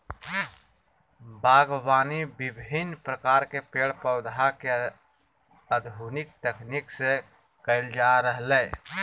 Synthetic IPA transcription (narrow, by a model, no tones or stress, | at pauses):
baːɡwaːnibɪbʱɪnpɾəkaːɾkepeːɽpəːd̪ʱake | əd̪bʱuːnɪk̚t̪eknikse | kəɪld͡ʒaɾəɦleː